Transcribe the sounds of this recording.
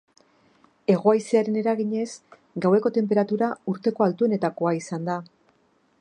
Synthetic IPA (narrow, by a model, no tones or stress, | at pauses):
e̞ɣ̞o̞ajseaɾe̞ne̞ɾaɣiɲe̞z | ɡawe̞ko̞t̪e̞mpe̞ɾat̪uɾauɾt̪e̞ko̞alt̪ue̞ne̞t̪ako̞aisand̪a